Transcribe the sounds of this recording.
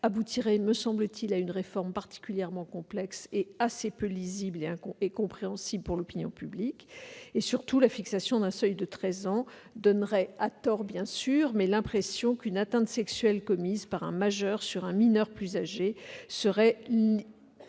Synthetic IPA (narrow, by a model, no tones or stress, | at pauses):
abut̪ʰiʁɛməsɑ̃blət̪ʰilaynʁefɔʁmpaʁt̪i̥kʲyljɛʁmɑ̃kɔ̃plɛkseasepølizibleɛ̃ekɔ̃pχeɑ̃sibləpuʁlɔpinjɔ̰̃pyblikesyʁt̪ulafiksasjɔ̃d̪ɛ̃sœjd̪ət̪χɛzɑ̃ | d̪ɔnʁɛat̪ɔʁbjɛ̃syʁmɛlɛ̃pχɛsjɔ̃kynat̪ɛ̃t̪sɛksɥɛlkɔmizpaʁɛ̃maʒœʁsyʁɛ̃minœʁplyzaʒesəʁɛ